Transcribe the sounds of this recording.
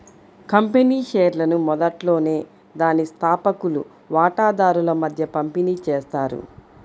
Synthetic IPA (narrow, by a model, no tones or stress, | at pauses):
kɐmpeniːʃeːɾlɐnumɔd̪ɐʈlo̞ːne̞ː | d̪aːnist̪ʰaːpɐkulṵ | ʋaːʈaːd̪aːɾulɐmɐd̪ʱjɐpɐmpiniːt͡ʃeːst̪aːɾṵ